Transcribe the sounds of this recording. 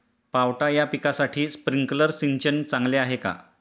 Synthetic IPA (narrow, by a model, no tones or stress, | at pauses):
pawʈajapikasaʈʰiːspɾiŋkləɾsint͡ɕənt͡sãŋɡleaɦeka̰